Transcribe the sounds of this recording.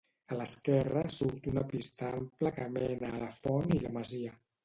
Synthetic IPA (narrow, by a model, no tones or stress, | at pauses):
ələskɛrəsuɾt̪unəpist̪amplakəmɛnələfɔniləməziə